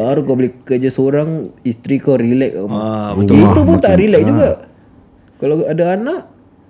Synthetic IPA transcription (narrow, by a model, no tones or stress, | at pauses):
aɾukoblikəd͡ʒasoɾaŋist̪ɾikawɾilɛk̚mait̪upʊnt̪aʔɾilɛk̚d͡ʒuɡa | kalaadaːnaʔ